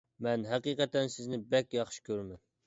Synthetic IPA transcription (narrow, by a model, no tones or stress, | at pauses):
mɛnɦɛqiqɛt̪ɛnsɪznɪbɛkʲjɑχʃi̥kʲʰøɾmɛn